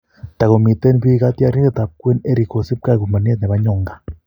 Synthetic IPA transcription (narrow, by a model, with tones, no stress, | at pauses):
t̪a˨ɣo˨mi˨t̪e˦nbi˦ɣa˦t̪a˦ɾi˦ɾe˦˨t̪a˨p̚kwe˦ne˦ɾi˨ko˨si˦p̚ka˦˨ku˨ma˨ni˦e˦t̪ne˨βa˦ɲo˦˨ŋɡa˨